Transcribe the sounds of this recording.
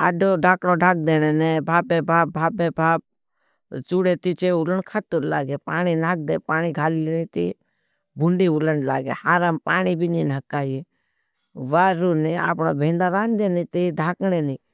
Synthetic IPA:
aɖoɖʱaːkɽõɖʱaːk̚d̪eːñeːnebʱaːpebʱaːbʱaːpeːbʱaːp̚ | t͡ʃuɽet̪it͡ʃeːʊləɳkʰət̪uɾlaːɡeːpaːninaːk̚d̪eːpaːñiɡʱaːliɾet̪i | bʱʊɳɖiʊləɳla̰ːɡḛhaːɾampaːnibʱininəkaːji | ʋaːɾunea̰ːpnoːbʱẽːnd̪aɾãːnd̪enit̪iɖʱaːkneːniː

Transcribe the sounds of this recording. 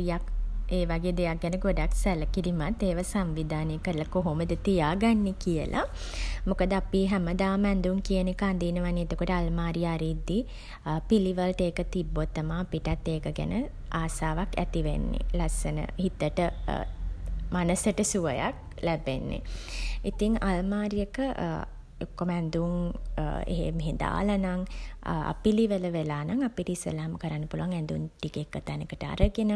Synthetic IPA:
ijakeːʋaɡeːd̪ejak̚ɡɛnəɡoɖaksæləkilimat̪ːeːʋasamʋid̪ʱaːnəjəkəɾləkoɦoməd̪ət̪ijaːɡanːekijəlʔa̰mukəd̪əapiɦɛməd̪aːmɛnd̪uŋkijənekand̪iːnəʋanːeet̪okoʈəalmaːɾiaɾiːd̪ːi | piliʋəlʈeːkət̪ibːot̪ːəmaːpiʈat̪ːeːkəɡæ̰nə | aːsaːʋakæ̰t̪iʋḛnːḛlasənə̰hit̪əʈə | manəsəʈəsuʋəjak̚ | læbenːḛit̪iŋalmaːɾijəkə | okːoməɛnd̪uŋ | ḛɦḛmeɦed̪a̰ːlənaŋa̰piliʋələʋelaːnaŋapiʈisə̰laːməkəɾanːəpuluʋaŋɛnd̪unʈikekːət̪anekəʈəa̰ɾəɡenə

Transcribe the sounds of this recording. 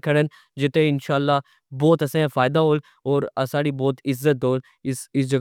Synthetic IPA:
kʰɐɽən | d͡ʒɪt̪ẽɪnʃaːlːa | bɔːt̪ɐsẽfaːjd̪aɦoːl | ɔːɾɐsaːɽibɔːt̪ɪzːət̪ɦoːl | ɪsɪsd͡ʒɐɡ

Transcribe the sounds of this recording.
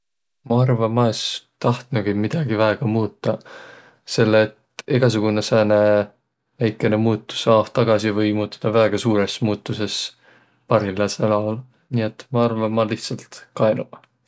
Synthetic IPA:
mɑɑrvɑmɑest̪ɑht̪nuɡ̥imid̪̥ɑɡ̥ivæeɡ̥ɑmuːt̪ːˑɑ | se̞lːeːt̪eɡ̥ɑs̬uɡ̥unesæːne̞ | væjkːˑe̞ne̞muːt̪ːˑu̥sɑːft̪ːɑɡ̥ɑsivɤjmuːt̪ːˑu̥d̪̥ɑvæeɡ̥ɑsuːɾe̞smuːt̪ːuse̞s | pɑɾilɑselɑwl | nie̞t̪ːmɑɑrvɑmɑliht̪sɑlt̪kɑenu̥

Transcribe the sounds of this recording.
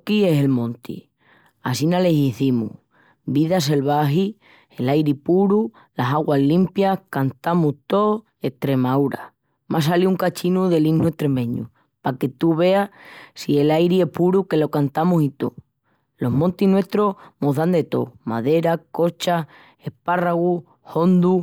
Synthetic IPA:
kie̞se̞lmõ̞nt̪ḭ | asinale̞siθimṵ | biðas̬e̞lβaɦi | e̞lajɾipuɾu | lasaɣwallimpjahkant̪amuht̪o̞ | e̞ht̪ɾe̞mawɾa̰ | masaliuŋkat͡ʃinuðe̞limnue̞ht̪ɾe̞mẽ̞ɲṵ | pake̞t̪uβ̞e̞asie̞lajɾie̞puɾuke̞lo̞kant̪amusit̪o̰ | lo̞ɦmõnt̪inwe̞ht̪ɾo̞hmoðand̪e̞t̪o̞̰ma̰ðe̞ɾako̞t͡ʃa | e̞hparaɣu | ho̞nd̪u

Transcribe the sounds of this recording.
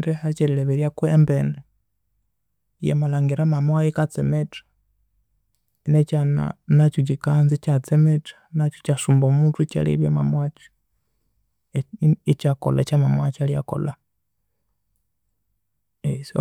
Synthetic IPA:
dɛhat͡ʃɛlilɛβiɾjakwembɛne | jḛmalaŋɡiɾamamwajikat͡sɛmɛtḁ | net͡ʃana̰nat͡ʃut͡ʃikanzit͡ʃat͡sɛmɛtḁnat͡ʃut͡ʃasumbomutut͡ʃa̰lḭβjemamwat͡ʃi̥ | it͡ʃako̰la̰t͡ʃamamwat͡ʃalja̰ko̰la | es

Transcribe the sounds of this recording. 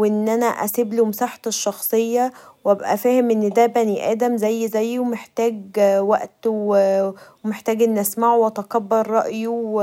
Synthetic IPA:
eʔenːʔænæʔæ̰seblumsaːħɑ̥t̪eʃːɑxsˤejːɑwʔæbʔæ̰fæːhemʔenːd̪æbæniʔæːd̪æmzæjːzæjːwmeħt̪æːɡwæʔt̪w | meħt̪æːɡʔenːʔæsmaʕowʔɑt̪ɑkɑbːɑɾˤːɑ̰ʔju

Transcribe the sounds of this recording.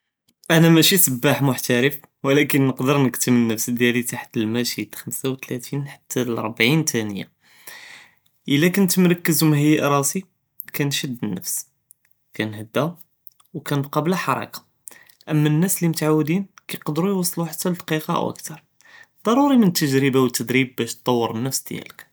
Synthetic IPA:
ʔænæmæʃisəbːaħmʊħt̪æɾəf | wlækənːəqd̪əɾnəkt̪əmənːəfsd̪jælit̪aħt̪əlmæʃid̪xəmsawt̪læt̪inħḁt̪ʰːælɾˤbʕint̪ʰænəjːa̰ | ʔəlːækənt̪əmɾɑkːəzumhəjːaʔɾˤɑsi | kænʃəd̪ːənːəfs | kænhəd̪ːæ | wkænəbqɑblæħɑɾˤɑ̰kɑ̥ | ʔəmːænːæslimʊt̪ʕawːd̪inkæjqd̪ɾujwɑsˤːluħat̪ːæld̪ɑqiqɑʔwʔə̰kt̪ɑɾˤ | d̪̥ˤɑɾˤuɾimənət̪ːəʒɾəbawət̪ːəd̪ɾib̚ːæʃt̪ˤːɑwːəɾˤənːəfsd̪̥jæ̰lək

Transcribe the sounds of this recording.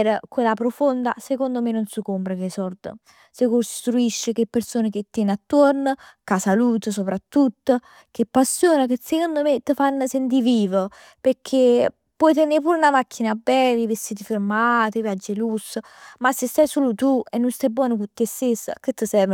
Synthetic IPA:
ɛɾkwelːapɾofond̪a̰sekond̪omenːonsəkompɾəkesɔɾd̪ə̰ | sekost̪ɾuiʃːəkepːeɾsoːnək̟et̪ːɛnat̪ːoɾnəkasaluːt̪əs̬opɾat̪ːut̪ːə | kepːasːjoːnakəsekond̪omet̪ːəfanːəsent̪̬iviːvə | peɾkʰe | pːwɔjt̪̬ɛnepuːɾunamak̟ːinabɛlivest̪iːt̪̬ifeɾmaːt̪əvjad͡ʒːelusə | masːest̪ajsoːlut̪uenːunst̪ajbwɔːnokut̪ːest̪esːə̰kət̪ːəsɛɾv

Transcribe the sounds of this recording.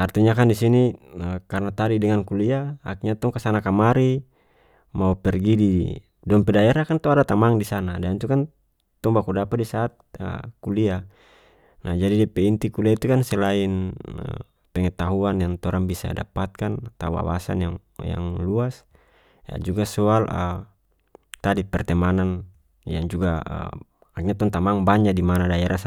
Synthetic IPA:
art̪iɲakandisiniəkarnat̪aɾidɛŋankuliaːkɲat̪ɔŋkasanakamaɾi | maupɛrɡidi | dɔmpɛdaɛɾakant̪ɔadat̪amaŋdisanadant̪ukan | t̪ɔŋbakudapadisaːt̪̚ə̰kulia | nahd͡ʒadidɛpɛint̪ikuliait̪ukansɛlainə̰ | pɛŋɛt̪aɦuanjaŋt̪ɔɾaŋbisa̰da̰pat̪̚kant̪awa̰wa̰sa̰njaŋ | ja̰ŋluas | ja̰d͡ʒuɡasɔalʔə̰ | t̪adipɛrt̪ɛmanan | jaŋd͡ʒuɡaə̰ | akɲat̪ɔŋt̪amaŋbaɲd͡ʒadimanadaɛɾʔas

